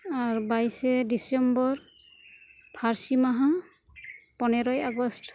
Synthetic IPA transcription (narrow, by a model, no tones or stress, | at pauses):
aɹbajsɛdisɛmbɔɹ | pʰaɹsimaɦa | pɔnɛɹɔjaɡɔst